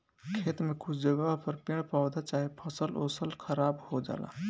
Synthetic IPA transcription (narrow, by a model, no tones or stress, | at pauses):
kʰet̪mekut͡ʃʰd͡ʒəɡapəɾpeɽpawd̪at͡ʃaɦipʰəsəlo̰səlkʰəɾabhod͡ʒa̰ːla̰